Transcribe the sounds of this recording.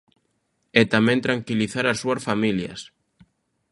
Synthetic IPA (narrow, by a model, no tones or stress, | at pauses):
ɛt̪amɛ̃nt̪ɾaŋkiliθaɾasːuɐsfamiljɐ̰s